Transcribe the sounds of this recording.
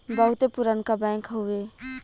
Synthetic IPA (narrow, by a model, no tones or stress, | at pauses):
bəɦut̪epuɾənkabɛ̃ŋkɦoe